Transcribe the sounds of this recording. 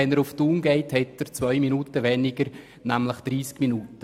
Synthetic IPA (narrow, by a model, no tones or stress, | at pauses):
ɛnəɾuftuːnɡeɪthɛtəɾt͡svœʏminuːtəʋɛnɪɡ̥əɾ | næmləχd̥ɾiːskminuːtə